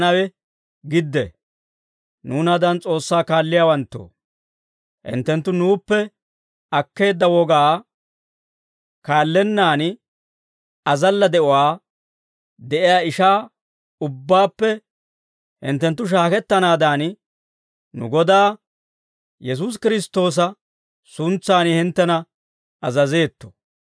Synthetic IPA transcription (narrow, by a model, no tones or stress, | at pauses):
nɐwɛ | ɡɪd̪ːɛ̰ | nuːnɐd̪ɐnt͡sʼo̞ːsːaːkaːlːɪjaːwɐnt̪ːo̰ː | hɪ̰nt̪ːɛnt̪ːʊnuːpːɛ | ɐkːe̞ːd̪ːɐwɔɡaː | kaːlːɛnːaːn | ɐzɐlːɐd̪ɛʔɔwaː | d̪ɛʔɪjaːɪʃaː | ʊbːaːpːɛ | hɪ̰nt̪ːɛnt̪̬ːʊʃ̬aːkɛt̪ːɐnaːd̪aːn | nʊ̰ɡɔd̪aː | jɛs̬uːs̬kɪɾɪst̪o̞ːs̬ɐ | sʊnt͡sːaːnɪhɪnt̪ːɛnɐ | ɐzɐze̞ːt̪ːɔ̥